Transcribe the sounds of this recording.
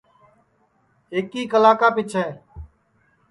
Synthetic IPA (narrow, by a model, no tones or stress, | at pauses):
eːkiːkəlaːkaːpɪt͡ʃʰɦɛː